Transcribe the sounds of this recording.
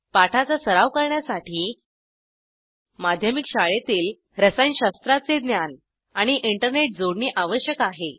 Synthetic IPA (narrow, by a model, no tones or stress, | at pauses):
paʈʰat͡sasəɾaʋkəɾɳjasaʈʰiː | mad̪ʱjəmikɕaɭet̪iːl | ɾəsajnɕast̪ɾat͡sed̪njan | aɽ̃iʔiɳʈəɾneʈ̚d͡zoɽɳiːʔaʋəɕjəkaɦe